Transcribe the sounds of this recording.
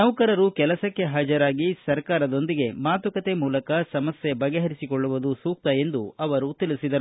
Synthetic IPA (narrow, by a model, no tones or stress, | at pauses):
nɐwkɐɾɐɾukɛlɐsɐkːe̞ɦɐd͡ʒɐɾaːɡisɐɾkaːɾɐd̪o̞nd̪iɡe̞maːt̪ɐkɐt̪e̞muːlɐkɐsɐmɐsjebɐɡeɦɐɾisikoɭːuʋud̪usuːk̚t̪ɐe̞nd̪uɐʋɐɾut̪ilisid̪ɐɾu